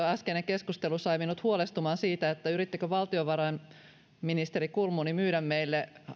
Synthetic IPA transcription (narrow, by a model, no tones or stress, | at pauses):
æskeneŋke̞skust̪elusɑjminut̪huolest̪umɑːnsiːt̪æet̪ːæyɾit̪ːekøʋɑlt̪ioʋɑɾɑjn | minist̪eɾikulmunimyːɾæmmejlːe